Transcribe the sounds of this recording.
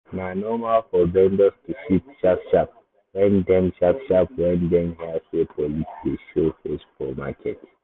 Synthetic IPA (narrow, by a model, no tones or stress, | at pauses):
nanɔmalfɔbɛ̃ndɔstuʃit̚ʃafʃap̚ | wɛ̃ndɛ̃mʃapʃap̚wɛ̃ndɛ̃mhiaswepʰɔlisdeʃofesfɔma̰kʰɛt